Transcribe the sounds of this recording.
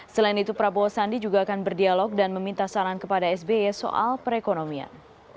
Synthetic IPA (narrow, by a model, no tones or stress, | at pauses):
səlainit̪upɾaboosandid͡ʒuɡaːkanbərdialɔk̚danməmint̪asaɾaŋkəpadaɛsbeɛso̰ʔa̰lpəɾekonomia̰n